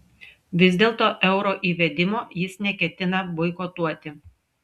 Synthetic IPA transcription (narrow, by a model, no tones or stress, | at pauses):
ʋʲɪzʲd̪ʲeːlˠt̪oːʔɛʊɾoːʔiːʋʲɛd̪ʲɪmoːjɪsnʲɛkʲɛt̪ʲɪnɐbʊɪkot̪uɔt̪ʲɪ